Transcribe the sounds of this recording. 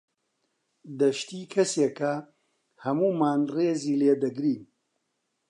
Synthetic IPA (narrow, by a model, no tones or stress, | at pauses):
d̪ɐʃt̪iːkʰɐseːkɐ | hɐmuːmaːnreːziːleːd̪ɐɡɾiːn